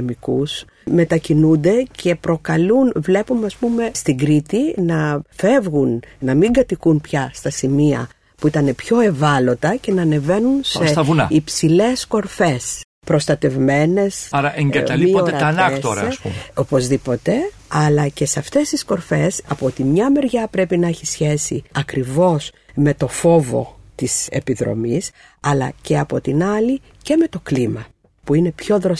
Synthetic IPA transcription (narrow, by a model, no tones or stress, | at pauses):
emikus | me̞t̪ɐcinund̪e̞cʰe̞pɾo̞kɐlunvle̞pumeɐspume̞st̪iɡɾit̪inɐfe̞vɣunnɐmiŋɡɐt̪ikunpçɐst̪ɐsimiɐ̰ | puit̪ɐne̞pço̞e̞vɐlo̞t̪ɐce̞nɐːne̞ve̞nunsesɐvunɐ̰ipsile̞sko̞ɾfe̞s | pɾo̞st̪ɐt̪e̞vme̞ne̞sɐɾɐʔeɲɐlmiioɾɐɐnɐt̪oɾɐesṵmopozðipo̞t̪e̞ | ɐlɐce̞seɐft̪e̞st̪isko̞ɾfe̞sɐpot̪imɲɐme̞ɾʝɐpɾe̞pinɐeçisçe̞sḭɐkɾivo̞s | me̞t̪o̞fo̞vo̞̰t̪ise̞̰piðɾo̰mis | ɐlɐ̰ce̞ɐpo̞t̪inɐli | ce̞me̞t̪o̞klimɐ | puine̞pço̞ðɾo